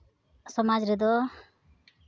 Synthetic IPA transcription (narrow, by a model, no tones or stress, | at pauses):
sɔmad͡ʒɾɛd̪ɔ